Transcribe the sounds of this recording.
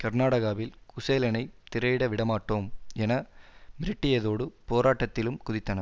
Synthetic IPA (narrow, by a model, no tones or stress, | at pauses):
kɐɾnaːɽɐɣaːʋɪlkʊseːlɐnɐɪt̪ɪɾɐɪɽɐʋɪɽɐmaːʈːoːmɛnɐmɪɾɪʈːɪjɐðoːɽɯpoːɾaːʈːɐt̪ːɪlɯmkʊðɪt̪ːɐnɐ